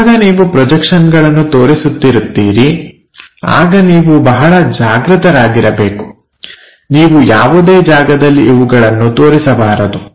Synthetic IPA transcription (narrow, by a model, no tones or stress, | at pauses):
aɡɐniːʋupɾɔd͡ʒɐkʂɐnɡɐɭɐnːut̪o̞ːɾisut̪ːiɾut̪ːiːɾi | a̰ːɡɐniːʋubɐɦɐɭɐd͡ʒaːɡɾɯt̪ɐɾaːɡiɾɐbe̞ːku̥ | niːʋujaːʋud̪e̞ːd͡ʒaːɡɐd̪ɐlːiːʋuɡɐɭɐnːut̪o̞ːɾisɐbaːɾɐd̪u